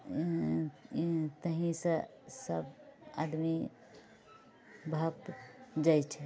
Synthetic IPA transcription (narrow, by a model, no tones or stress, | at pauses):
t̪əɦĩsə | səbad̪mi | bʱəpt̪d͡ʒajt͡ʃʰe